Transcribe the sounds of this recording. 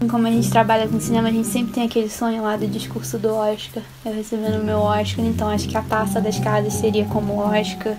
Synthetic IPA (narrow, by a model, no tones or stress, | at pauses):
ĩkõmʊɐʒẽnt͡ʃɪ̥t̪ɾabaʎɐkõsinẽmɐʒẽnt͡ʃɪ̥sẽpɾɪt̪ẽj̃akelɪsõɲʊlad̪ʊd͡ʒiʃkuɾsʊd̪ʊɔʃkɐɾ | ewhesebẽʊmewɔʃkaɾẽnt̪ɐ̃w̃aʃʊ̥kɪɐt̪asɐd̪ɐʃkazɐsseɾiɐkõmʊɔʃkɐɾ